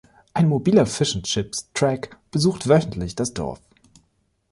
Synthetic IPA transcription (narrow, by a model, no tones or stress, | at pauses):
ʔaɪnmobiːlɐfɪʃn̩t͡ʃɪpstʁ̥ɛkb̥əzuːxtv̥œçn̩tʰlɪçd̥asd̥ɔ̰ɐf